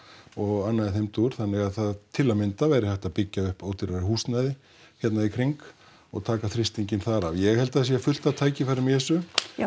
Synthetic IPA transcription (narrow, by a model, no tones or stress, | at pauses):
ɔɣanːaɪθejmt̪uɾ̥θanːɪɣaðθaðt̪ʰɪlːamɪnt̪avajɾɪhaht̪aðpɪcːaʏhpoːwt̪ɪɾaɾhuːst̪najðɪ | çjɛt̪naðikʰɾɪŋk | ɔ̰ɣt̪ʰaːkaθɾɪst̪iɲcɪnθaɾavjɛɣhɛlt̪aðs̬jɛfʏl̥t̪at̪ʰaːjcɪfaɾʏmɛsʏ